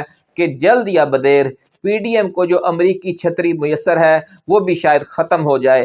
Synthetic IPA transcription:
ked͡ʒɐld̪jabɐd̪eːɾ | piːɖiːɛmkod͡ʒoːʔɐmɾiːkit͡ʃʰɐt̪ɾimʊjəsːəɾɦɛ | ʋoːbʱiʃaːjəd̪xɐt̪əmɦod͡ʒaːeː

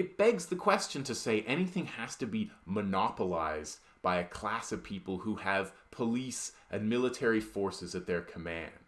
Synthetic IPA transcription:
ɨt̚b̥ɛɡzðɨkʰw̥ɛst͡ʃɨ̃n̩tʰɨseɪʔɛñiθɪ̃ŋhæstɨbimənɑpəlaɪz | b̥aɪɨkʰl̥æsʌv̥pʰipl̩ˠhuɨv̥pʰəlisʔɨ̃nmɪlˠətʰɛɹifɔɹsɨzɨt̪̚ðə˞kʰəmæ̰̃nd̥

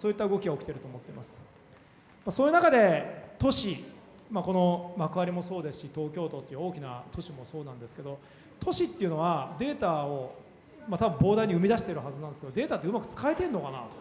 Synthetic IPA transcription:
soːit̪ːaɯ̟ɡo̞kʲiɡao̞kʲit̪eɾɯ̟t̪o̞ːmot̪ːe̞masɨ̥ | maso̞ːjiɯ̟nakad̪e̞t̪o̞ɕi | mako̞no̞makɯ̟aɾʲimo̞so̞ːd̪esɨ̥ɕit̪o̞ːkʲo̞ːt̪ot̪ːeiɯo̞ːkʲinat̪ʰo̞ɕimo̞so̞ːnãnd̪e̞sɨ̥ke̞d̪o̞ | t̪ʰo̞ɕit̪ːe̞iɯ̟no̞βad̪e̞ːt̪aːo | mat̪abɯ̟̃mbo̞ːd̪aiɲ̟iɯ̟mʲid̪aɕi̥t̪eɾɯ̟ɦazɨnand̪eskeo̞d̪e̞ːt̪at̪ːeɯ̟makɯ̟̥t͡sɨ̥kaet̪e̞ɾɯno̞kana̰t̪o̥

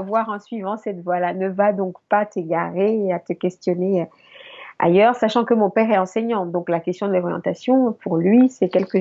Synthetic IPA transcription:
vwaʁɑ̃sɥivɑ̃sɛt̪vwalanəvad̪ɔ̃kpat̪eɡaʁeat̪əkʲɛst̪jɔne | a̰jœʁsaʃɑ̃kəmɔ̃pɛʁɛɑ̃sɛɲɑ̃d̪ɔ̃klakʲɛst̪jɔ̃d̪əlɔʁjɑ̰̃t̪asjɔ̃puʁlɥisɛkʲɛlkə

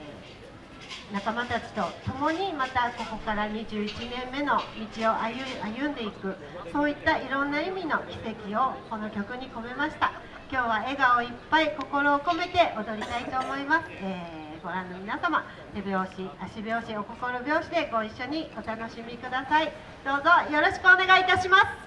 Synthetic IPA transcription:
nakamat̪at͡ɕi̥t̪o̞t̪o̞mo̞ɲ̟imat̪ako̞ko̞kaɾaɲ̟iʑɨːit͡ɕinẽ̞mːe̞no̞mʲit͡ɕio̞ʔajajɯ̟̃nd̪e̞ikɯ̟ | so̞ːit̪ːaiɾõ̞nːaimʲino̞kʲi̥se̞kʲio̞ko̞no̞kʲo̞kɯ̟ɲ̟iko̞me̞maɕi̥t̪a | kʲo̞ːβ̞ae̞ɡao̞ipːaiko̞ko̞ɾo̞ːko̞me̞t̪e̞ʔo̞d̪o̞ɾʲit̪ait̪o̞ːmo̞imasɨ̥eː | ɡo̞ɾãnːo̞mʲinasama | t̪e̞bʲjo̞ːɕiaɕibʲo̞ːɕio̞ko̞ko̞ɾo̞bʲo̞ːɕid̪e̞ɡo̞iɕːo̞ɲ̟io̞t̪ano̞ɕimʲikɯ̟d̪asai | d̪̥o̞ːzo̞jo̞ɾo̞ɕi̥kɯone̞ɡait̪aɕimasɨ̥

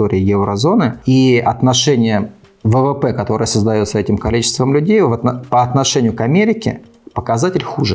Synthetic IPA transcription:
oɾʲɪːɪjɛvɾəzo̞nɨiɐt̪nɐʂɛnʲɪjə | vəvɛpɛkɐt̪o̞ɾɨjəsəzd̪ɐjo̞t̪səɛtʲɪmkɐlʲit͡ɕɪ̥st̪vəmlʲʉdʲejvət̪pəɐt̪nɐʂɛnʲɪjʊkɐmʲeɾʲɪkʲɪ̰ | pəkɐzatʲɪlʲxuʐɨ̰

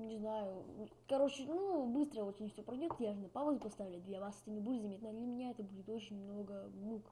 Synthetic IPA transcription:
nʲɪznajʊ | kɐɾo̞t͡ɕɪnubɨst̪ɾəvosʲnʲifʲsʲopɾɐjdʲot̪jaʐɨnɐpavəzʲʊpɐst̪avʲɪlʲd̪vʲevaset̪ʲɪmʲɪbulʲɪt̪zɐmʲet̪nəd̪lʲɐmʲɪnʲaɛt̪əbudʲɪt̪o̞t͡ɕɪnʲmno̞ɡənuk

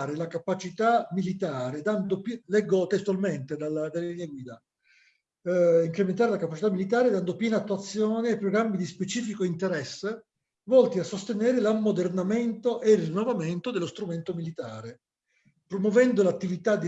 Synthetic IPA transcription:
ɾelakapat͡ʃit̪amilit̪aːɾed̪and̪oplɛɡːot̪est̪uwalment̪ed̪alad̪alːelineɡwiːd̪a | iŋkɾemẽnt̪̬aːɾelakapat͡ʃit̪amːilit̪aːɾed̪and̪opjɛːnaːt̪ːuat̪sːjɔːneːpːɾoɡɾamːid̪ispet͡ʃiːfikoint̪eɾɛsːe | vɔlt̪iasːost̪enɛːɾelamːod̪ernament̪oʔeilrinːovament̪od̪elost̪ɾument̪omilit̪aːɾe | pɾomwovɛnd̪olat̪ːivit̪ad̪

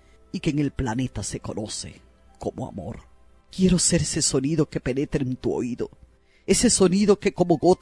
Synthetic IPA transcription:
ikeːŋe̞lplane̞t̪ase̞ko̞no̞se̞̰ | ko̞moa̰mo̞̰ɾ | kje̞ɾo̞se̞ɾese̞so̞niðo̞ke̞pe̞ne̞t̪ɾent̪uo̰iðo̞̰ | e̞se̞so̞niðo̞keko̞mo̞ɣo̞t̪

